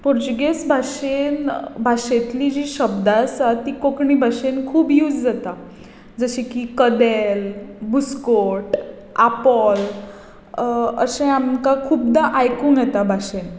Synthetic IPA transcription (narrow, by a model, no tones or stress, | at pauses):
pɔɾd͡ʑuɡesbʱaɕenbʱaɕet̪liːd͡ʑiːɕəbd̪asat̪ikokɳibʱaɕenkʰuːbjuːd͡zd͡zat̪a | d͡zəɕikikəd̪elbuskoɾʈ | apɔl | əsẽamkakʰuːbd̪aʔajkuːŋɡjɛt̪abʱaɕen